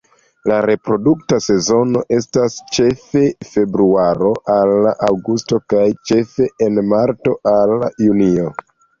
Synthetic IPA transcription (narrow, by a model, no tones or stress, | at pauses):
laɾe̞pɾo̞duk̚tase̞zo̞no̞ʔe̞stast͡ʃe̞fe̞fe̞bɾuaɾo̞ʔalːaʔawɡusto̞kajt͡ʃe̞fe̞enmaɾto̞ʔalajunio